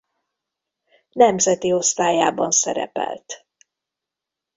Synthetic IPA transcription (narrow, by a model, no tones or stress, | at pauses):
nɛmzɛt̪io̞st̪aːjaːbɒnsɛɾɛ̰pɛ̰lt̪